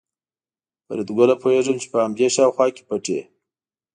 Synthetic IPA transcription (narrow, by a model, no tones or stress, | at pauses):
pəɾed̪ɡəlapʰoeʐəmt͡ʃe̥pəhamd̪eʃɑwxwɑke̥paʈḛ